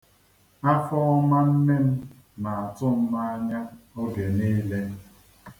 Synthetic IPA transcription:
a˦fɔ˦ma˦m̩˦me˦m̩˦ | ma˨a˨tʊ˦m̩˦ma˦a˦ɲa˦o˦ɡe˨ne˦le˦

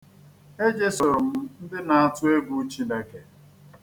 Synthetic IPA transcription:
e˦d͡ʒe˦sʊ˨ɾʊ˨m̩˦n̩˦dɪ˦na˨a˦˨tʊ˦e˦ɡʷu˦t͡ʃi˦na˨ke˨

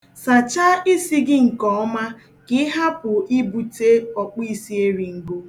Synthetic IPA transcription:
sa˨t͡ʃa˦i˦si˦ɡɪ˦ŋ̩˨kɔ˨ɔ˦ma˦ | kɪ˦ɦa˦pʊ˨ʔi˦bu˨te˦ɔ˨k͡pi˦si˦e˦ɾi˨ŋ̩˨ɡo˦

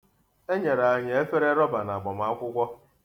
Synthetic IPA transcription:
e˦ɲe˨ɾa˨a˨ɲe˨e˦fe˦ɾe˦ɾɔ˦ba˨na˨a˨ɡ͡bɔ˨m̩˨a˦kʷʊ˦kʷɔ˦

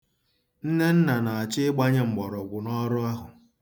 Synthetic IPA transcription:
n̩˦ne˦n̩˦na˨na˨a˨t͡ʃɪ˦ɡ͡ba˦ɲɪ˦ŋ͡m̩˨ɡ͡bɔ˨ɾɔ˨ɡʷʊ˨nɔ˦ɾʊ˦a˦ɦʊ˨

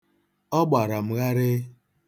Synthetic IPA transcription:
ɔ˦ɡ͡ba˨ɾa˨m̩˨ɣa˦ɾɪ˦

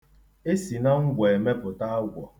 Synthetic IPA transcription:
e˦si˨na˦ŋ̩˦ɡʷe˨e˨me˦pʊ˨ta˦a˦ɡʷɔ˨

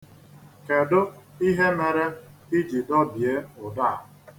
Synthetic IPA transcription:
ke˨dʊ˦i˦ɦe˦me˨ɾe˦i˦d͡ʒi˨dɔ˦bi˨e˦ʊ˨da˦˨

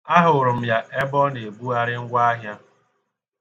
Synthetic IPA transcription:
a˦ɦʊ˨ʊ˨ɾʊ˨m̩˨ja˨ʔe˦bɔ˦ne˨e˨bu˦a˦ɾɪ˦ŋ̩˦ɡʷa˦a˦ɦja˦

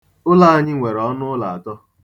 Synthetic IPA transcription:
ʊ˦la˨a˦ɲɪ˦ŋʷe˨ɾɔ˨˦nʊ˦la̰˨a˨tɔ˦

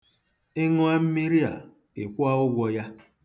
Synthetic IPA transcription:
ɪ˦ŋʊ˦a˦m̩˦mi˦ɾi˦a̰˨ | ɪ˨kʷʊ˦a˦ʊ˦ɡʷɔ˦ja˦

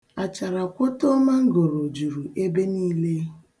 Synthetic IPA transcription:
a˨t͡ʃa˨ɾa˨kʷʊ˦to˦ma˦ŋ̩˦ɡo˨ɾo˨d͡ʒu˨ɾu˨ʔe˦be˦niː˦le˦

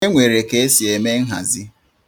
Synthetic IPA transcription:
e˦ŋʷe˨ɾe˨ke˦e˦si˨e˨me˦ŋ̩˦ɦa̰˨zi˦

